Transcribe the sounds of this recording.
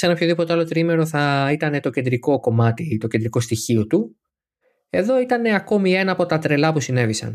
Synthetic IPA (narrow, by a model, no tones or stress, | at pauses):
se̞nɐpço̞ðipo̞t̪eɐlo̞t̪ɾime̞ɾo̞θɐit̪ɐne̞t̪o̞cend̪ɾiko̞ko̞mɐt̪it̪o̞cend̪ɾiko̞st̪içio̞t̪u | e̞ðo̞it̪ɐne̞ɐko̞mie̞nɐːpo̞t̪ɐt̪ɾe̞lɐpusine̞visɐ̰n